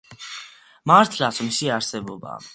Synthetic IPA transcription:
maɾt̪ʰlasʰɔmisiaɾsɛbɔba̰

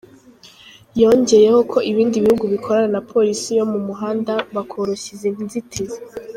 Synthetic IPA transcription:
jo̞ːɲɟe̞je̞ho̞kʰo̞ʔiβiːndiβihuɡuβikʰo̞ɾananapʰo̞ɾisijo̞mumuɦaːndaβakʰoɾoçizenzitʰeze

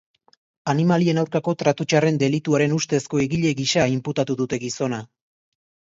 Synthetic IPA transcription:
animalie̞nawɾkako̞t̪ɾat̪ut͡ʃare̞nd̪e̞lit̪uaɾe̞nust̪e̞sko̞eɣiʎe̞ɣiʃaimput̪at̪uðut̪e̞ɣiso̞na

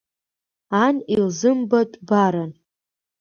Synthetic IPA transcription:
anilzɨmbatʼbaɾan

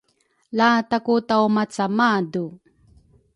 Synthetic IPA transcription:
latakutawmat͡samadu

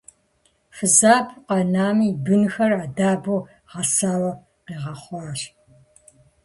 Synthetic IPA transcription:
fɨzaːpʰqɐnaːmiːbɨnxɐraːdaːbuː | ʁɐsaːwɐ | qeːʁɐχʷɑːɕ

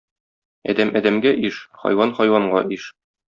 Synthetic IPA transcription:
æ̰ɒ̰d̪æmʔɒd̪æmɡæʔiʃχɒ̰jwɑnχɒjwɑɴɢɑʔiʃ

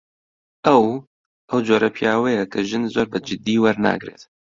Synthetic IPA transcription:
ʔɛw | ʔɛwd͡ʒoːɾɛpʰijaːwɛjɛkʰɨʒɨnzoːɾbɨd͡ʒɪd̪iːwɐɾna̰ːɡɾḛːt̪

